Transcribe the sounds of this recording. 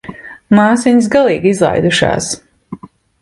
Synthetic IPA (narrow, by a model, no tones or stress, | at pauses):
maːsiɲs̬ɡalˠiːɡizlˠa̰jd̪uʃa̰ːs